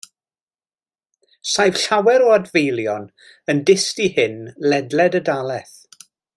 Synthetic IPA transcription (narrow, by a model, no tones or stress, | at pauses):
sajv̥ɬawɛɾɔadvejlˠjɔn | əndɪstihɪnlɛdlɛdədalˠɛθ